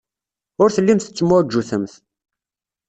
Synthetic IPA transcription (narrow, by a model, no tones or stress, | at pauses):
ʊɾθəlːimθə̥t͡sːəmːʊɾd͡ʒːuθəmθ